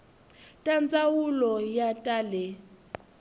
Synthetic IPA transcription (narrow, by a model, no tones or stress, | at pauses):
tʼant͡sʼawulɔjatʼaːlɛ